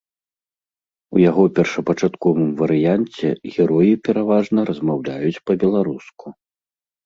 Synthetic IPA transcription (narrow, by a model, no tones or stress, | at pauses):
ujaɣɔpʲɛrʂɐpɐt͡ʂat̪kɔvɨmvɐɾɨjant͡sʲɛ̰ɣʲɛɾɔjipʲɛɾavaʐnɐɾɐzmawlʲajut͡sʲpɐbʲɛlˠaɾusku